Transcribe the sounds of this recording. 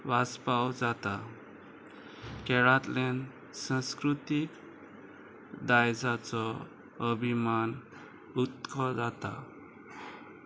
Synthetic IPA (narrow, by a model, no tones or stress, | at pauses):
ʋaspawd͡zat̪a | kɛɭat̪lɛn | sãskɾut̪ik | d̪ajd͡zat͡sɔ | əbʱiman | ut̪kʰɔd͡zat̪a̰